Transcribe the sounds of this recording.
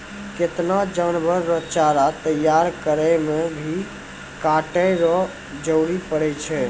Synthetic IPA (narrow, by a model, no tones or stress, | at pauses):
ket̪nad͡ʒanbʱəɾːɔt͡ʃaɾat̪əjaɾkəɾɛmebʱi | kaʈəɾɔ | d͡ʒəɽipəɽɛt͡ʃʰɛ